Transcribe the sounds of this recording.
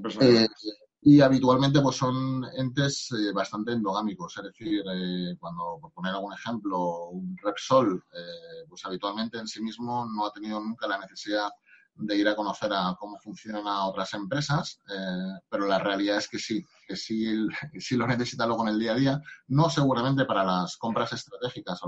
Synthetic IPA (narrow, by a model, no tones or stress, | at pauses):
pese | iaβ̞it̪ualmẽnt̪̬e̞pwosːo̞ne̞nt̪e̞seβast̪ant̪e̞ːnd̪o̞ɣ̞amiko̞se̞zðe̞θiɾekwand̪opo̞ɾpo̞ne̞ɾalɣune̞xe̞mplo̞unrepso̞lepwe̞saβit̪ualmẽnt̪e̞ːnsimizmo̞no̞at̪e̞niðonũŋkalane̞θe̞siða | d̪e̞iɾako̞no̞θe̞ɾako̞mo̞fun̟θjo̞nanao̞t̪ɾase̞mpɾe̞sasepe̞ɾo̞lare̞aliðae̞ske̞si | kesisilo̞ne̞θe̞sit̪alwo̞ɣ̞one̞ld̪iaðiano̞se̞ɣ̞uɾamẽnt̪e̞paɾalasko̞mpɾase̞st̪ɾat̪e̞xikaso